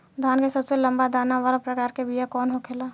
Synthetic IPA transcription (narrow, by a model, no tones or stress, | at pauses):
d̪ʱaːnkesəbselə̃mbad̪aːnaʋaːlapɾəkaːɾkebʱijakɔːnɦokʰela